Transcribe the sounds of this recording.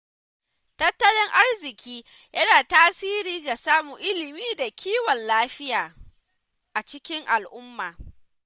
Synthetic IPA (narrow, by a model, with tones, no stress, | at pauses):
tɐ˦tːɐ˦lɪ˦ŋʔa˦rzɪ˨kʲʰiː˦ | jɐ˦naː˨taː˦siː˦ɾiː˦ɡa˨saː˦mu˨ʔɪ˦lɪ˨miː˦da˨kʲiː˦wɔ˨nlaː˦ɸɪ˦jaː˨ | ʔa˨t͡ʃɪ˦kʲɪ˦ŋʔa˨lʔʊ˦mːaː˨